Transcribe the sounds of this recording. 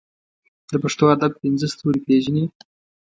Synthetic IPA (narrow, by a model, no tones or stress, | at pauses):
d̪əpaʂt̪oad̪ab̚pinzəst̪uɾipeʒni